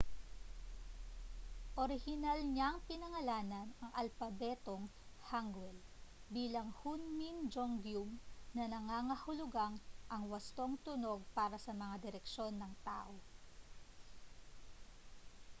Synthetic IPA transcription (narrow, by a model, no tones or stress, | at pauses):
ʔoɾɪhɪnalɲaŋpɪnɐŋɐlaːnɐnɐŋʔɐlfɐbɛt̪oŋhaŋɡwɛlbiːlɐŋhunmind͡ʒoŋɡjumnɐnɐŋaːŋɐhʊlʊɡaŋʔɐŋwɐst̪o̞ŋt̪ʊno̞ɡ̚paːɾɐsɐmɐŋad̪ɪɾɛkʃo̞nːɐŋt̪a̰ːʔo̞